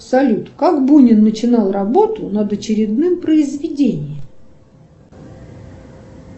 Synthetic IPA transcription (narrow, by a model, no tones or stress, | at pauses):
sɐlʲut̪kakbunʲɪnːət͡ɕɪnalˠrɐbo̞t̪ʊnəd̪ɐt͡ɕɪɾʲɪd̪nɨmpɾəɪzvʲɪdʲenʲɪjəm